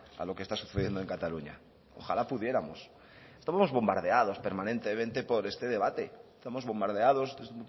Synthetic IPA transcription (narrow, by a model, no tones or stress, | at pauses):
a̰lo̞kest̪asu̥θeðje̞nd̪oeŋkat̪aluɲa̰ | o̰xalapuðje̞ɾamos | st̪aβamozβo̞mbaɾð̞e̞að̞o̞spe̞ɾmãnẽ̞nt̪e̞mẽnt̪e̞po̞ɾe̞st̪e̞ðe̞β̞at̪est̪amo̞zβo̞mbaɾð̞eaðo̞ses